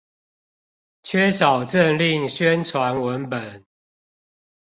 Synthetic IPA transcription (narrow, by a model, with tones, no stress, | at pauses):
t͡ɕʰɥɛ˥˦sɑ˨˩ʊʈ͡ʂə˥˨nli˥˨ŋɕɥɛ˦nt͡sʰwa˨˦nwə˨˦npə˨˩˦n